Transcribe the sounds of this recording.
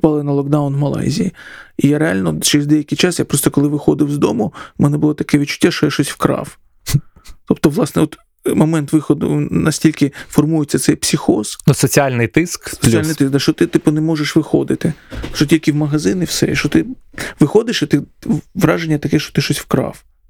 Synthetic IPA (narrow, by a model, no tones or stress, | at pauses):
pɑlˠɪnɐlˠɔɡd̪aʊnwmɐlˠa̰jzʲijiijaɾealʲnɔt͡ʃɛɾzʲd̪ɛjɐkɪjt͡ʃasjapɾɔst̪ɔkɔlˠɪʋɪxɔd̪ɪwzd̪ɔmʊmɛnɛbʊlˠɔt̪ɐkɛʋʲitt͡ʃʊ̥tʲːaʃt͡ʃɔjaʃt͡ʃɔsʲwkɾɑ̰f | t̪ɔpt̪ɔʋlˠɑsnɛɔt̪ | mɔmɛnt̪ʋɪxɔd̪ʊ̰nɐsʲtʲilʲkɪfɔrmujɪt͡sʲːɐt̪sɛjpsʲɪxɔz̥nʊsɔt͡sʲialʲnɪjt̪ɪsksɔ̥ialnɪjt̪ɪsk̚d̪ɐʃt͡ʃɔt̪ɪt̪ɪpʊnɛmɔʒeʃʋɪxo̰d̪ɪt̪ɪʃt͡ʃɔtʲilʲkɪwmɐɦɐzɪnɪwsɛ̰iʃt͡ʃɔt̪ɪʋɪxɔd̪ɪʃɐt̪ɪʋɾɑʒenʲːɐt̪ɐkɛʃt͡ʃɔ̥t̪ɪʃt͡ʃɔsʲwkɾɑ̰f